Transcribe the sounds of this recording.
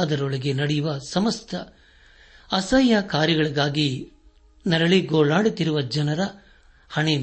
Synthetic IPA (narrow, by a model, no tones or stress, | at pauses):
d̪ɐɾɔɭɐɡe̞nɐɽɛjuʋɐsɐmɐst̪ʰɐ | ɐsɐjːakaːɾjɐɡɐɭiɡaːɡi | nɐɾɐɭiɡoːɭaːɽut̪ːiɾuʋɐd͡ʒɐnɐɾɐ | hɐɳe